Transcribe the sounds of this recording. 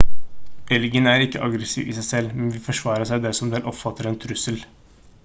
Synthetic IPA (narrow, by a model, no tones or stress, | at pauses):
ʔɛlɡənæːɾɪkːəʔɑɡɾəsḭːʋɪ̰ːsæɪsɛlːmɛnʋɪfɔʂʋɑːɾəʂæɪd̪ɛsɔmd̪ɛːlʔɔpfɑt̪ːəɾɛːnt̪ʰɾʉsəl